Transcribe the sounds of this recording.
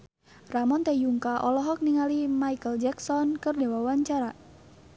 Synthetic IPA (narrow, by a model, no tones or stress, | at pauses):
ramɔnt̪ɛjuŋkaʔɔlɔɦɔk̚niŋalimaikəld͡ʒɛksɔnkərdewawaɲt͡ʃaɾa